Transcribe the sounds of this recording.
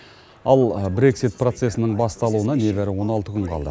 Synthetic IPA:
ɑlˠbɾe̞ksijt̪̚pro̞t̪se̞sɪnəɴbɑst̪ɑlˠuwənɑne̞bæɾɪwo̞nɑlˠt̪əkʲʰʏɴqʰɑlˠd̪ə̰

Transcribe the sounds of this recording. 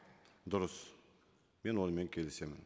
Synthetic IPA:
d̪ʊɾəs | me̞nwolˠme̞ŋkʲʰe̞lɪse̞mɪn

